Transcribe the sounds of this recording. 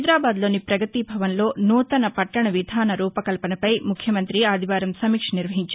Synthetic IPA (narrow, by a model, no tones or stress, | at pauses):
d̪ɾaːbaːd̪lo̞ːnipɾɐɡɐt̪ibʱɐʋɐnlo̞ːnuːt̪ɐnɐpɐʈːɐɳɐʋid̪ʱaːnɐɾuːpɐkɐlpɐnɐpɐjmukʰjɐmɐnt̪ɾiaːd̪ʱiʋaːɾɐmsɐmiːkʂniɾʋɐɦiɲt͡ʃa